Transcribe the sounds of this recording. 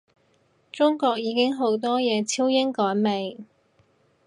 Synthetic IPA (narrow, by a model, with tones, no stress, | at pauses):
t͡sʊ˥ŋkɔː˧k̚jiː˨˧kɪ˥ŋɦo˨˥wt̪ɔː˥jɛː˨˧t͡sʰi˥wjɪ˥ŋkɔː˨˥jme˨˩j